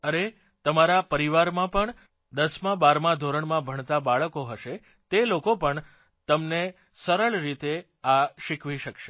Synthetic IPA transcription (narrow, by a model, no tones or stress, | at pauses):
əne | t̪əmaɾapəɾiʋaɾmãpəɳ | d̪əsmãbaɾmãd̪ʱoɾəɳmãbʱəɳ̃t̪abaɭkoɦəʃe | t̪elokopəɳ | t̪əmne | səɾəɭɾit̪e | aʃikʰʋiʃəkʃe